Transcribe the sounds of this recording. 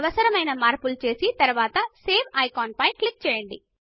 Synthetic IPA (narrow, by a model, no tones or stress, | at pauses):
ʋɐsɐɾɐmɐjnɐmaːɾpult͡ʃe̞ːsit̪ɐɾuʋaːt̪ɐseːbʰɐjkaːnpɐjklik̚t͡ʃɛːjɐɳɖḭ